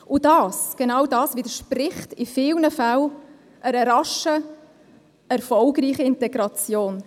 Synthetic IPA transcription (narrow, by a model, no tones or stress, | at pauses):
ʊdɑːsɡ̥enɑwdɑːsvɪdəɾʃprɪχtɪfɪːlnəfal | ʔəɾəɾɑʃə | ɛɾfɔlɡriːχəɪnteɡɾɑt͡sjoːn